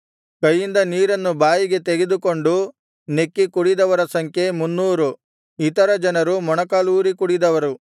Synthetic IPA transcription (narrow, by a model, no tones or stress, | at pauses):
kɐjːind̪ɐniːɾɐnːubaːjiɡe̞t̪eɡe̞d̪uko̞ɳɖu | ne̞kːikuɽid̪ɐʋɐɾɐsɐŋkʰje̞munːuːɾu | it̪ɐɾɐd͡ʒɐnɐɾumɔɳɐkaːluːɾikuɽid̪ɐʋɐɾu